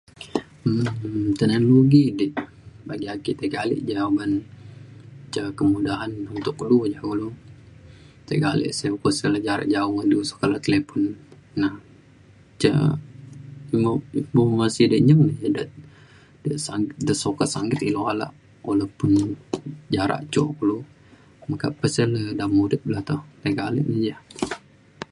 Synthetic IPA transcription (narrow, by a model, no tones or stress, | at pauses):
ət̪ənanloɡidɛʔ | baɡiakit̪əɡalɪ̰ʔd͡ʒaban | t͡ʃəkəmudaɦanunt̪ʊklud͡ʒaulo | t̪əɡalɪ̰ʔsaukɔsəlad͡ʒaɾa̰ʔd͡ʒaumadiusḁkalat̪əlepɔnː | ah | t͡ʃa̰ | imabomasidəʔɲəŋnəd͡ʒadə | dəʔsaŋɪt̪dəsokasaŋɡɪt̪iloala̰ʔ | walapʊn | d͡ʒaɾa̰ʔt͡ʃoʔklu | maka̰pəsələhdamudəʔ̪̚bəlaht̪oht̪əɡalḛʔnəd͡ʒa